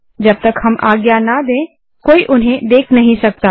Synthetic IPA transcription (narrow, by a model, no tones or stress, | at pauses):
d͡ʒɐb̚t̪ɐkɦɐmʔaːɡjanad̪ẽː | koːiʔʊnɦẽd̪eːkʰnɐɦĩsɐk̚t̪aː